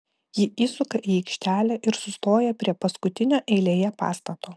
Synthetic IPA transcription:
jɪiːsʊkɐʔiːɛɪkʃʲt̪ʲæːlʲæʔɪɾsʊst̪oːjɛpʲɾʲiɛpɐskʊt̪ʲɪnʲoːʔɛɪlʲeːjɛpɑ̰ːst̪ɐt̪oː

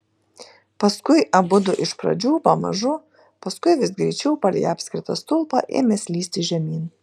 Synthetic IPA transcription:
pɐskʊɪʔɐbʊd̪ʊʔɪʃpɾɐ̰d͡ʒʲuːpɐmɐ̰ʒʊ | pɐskʊɪʋʲɪsɡɾʲɛɪt͡ʃʲɛʊpɐlʲɛ̰jɑːpʲsʲkʲɾʲɪt̪ɐ̰st̪ʊlˠpɑ̰ʔḛːmʲɛsʲlʲiːsʲt̪ʲɪʒʲɛmʲiːn

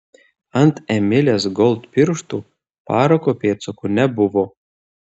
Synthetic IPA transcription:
ant̪ɛmʲɪlʲɛsɡɔlˠt̪pʲiɾʃt̪u | paːɾɐkɔpʲeːt̪sɔkunʲɛbuʋɔ

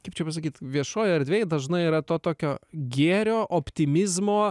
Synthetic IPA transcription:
kɐɪpt͡ʃʲɛpɐs̬ɐkʲiːt̪ʋʲiɛʃoːjɐɾʲd̪ʲʋʲeːjd̪ɐʒnɐɪiɾɐt̪oːt̪oːkʲoːɡʲeːɾʲoːʔopʲt̪ʲɪmʲɪzmoː

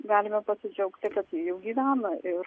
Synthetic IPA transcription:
ɡɑːlʲɪmʲɛpɐsʲɪd͡ʒʲɛʊkt̪ʲɪkɐt̪jijɛʊɡʲiːʋʲæːnɐʔɪr

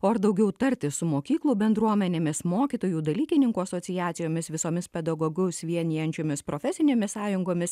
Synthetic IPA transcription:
oːɐɾd̪ɐʊɡʲɛʊt̪ɐɾʲtt̪ʲɪsʊmoːkʲiːklˠuːbʲɛnd̪ɾuɔmʲɛnʲeːmʲɪsmoːkʲiːt̪oːjuːd̪ɐlʲiːkʲɪnʲɪŋkuːɐsoːsʲɪjæːt̪sʲɪjoːmʲɪsʋʲɪsoːmʲɪspʲɛd̪ɐɡoːɡɛsʲʋʲiɛnʲijɛnʲt͡ʃʲoːmʲɪspɾoːfʲɛsʲɪnʲeːmʲɪssɑːjʊŋɡoːmʲɪs

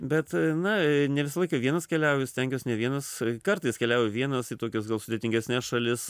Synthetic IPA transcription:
bʲɛt̪nɐnʲɛʋʲɪsɐlˠɐɪkɐʋʲiɛnɐskʲɛlʲɛʊjʊsʲt̪ʲɛŋʲkʲoːsnʲɛʋʲiɛnɐskɐrt̪ɐɪskʲɛlʲɛʊjɛʋʲiɛnɐsit̪oːkʲos̬ɡɐlˠsʊd̪ʲeːt̪ʲɪŋʲɡʲɛsʲnʲɛsʃɐlʲɪs

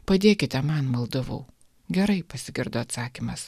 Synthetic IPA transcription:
pɐd̪ʲeːkʲɪt̪ʲɛmɐnmɐlˠd̪ɐʋṵː | ɡʲɛɾɐɪpɐsʲɪɡʲɪɾd̪oːɐt̪sɑːkʲimɐs

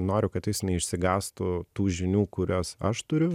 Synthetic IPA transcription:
noːɾʲʊkɐt̪jɪsnʲɛɪʃʲsʲɪɡɑːst̪ʊt̪uːʒʲɪnʲuːkʊɾʲoːsɐʃt̪ʊɾʲʊ

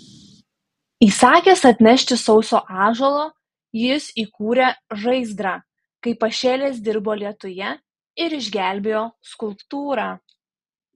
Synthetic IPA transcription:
iːsɑːkʲeːsɐt̪ʲnʲɛʃʲt̪ʲɪsɒʊsʲoːʔɑːʒolˠoː | jɪsiːkuːɾʲeʒɐɪzd̪ɾɑː | kɐɪpɐʃʲeːlʲeːsd̪ʲɪɾboːlʲiɛt̪ʊjɛ | ɪɾɪʒʲɡʲæˑlʲbʲejoːskʊlˠpt̪uːɾɑː

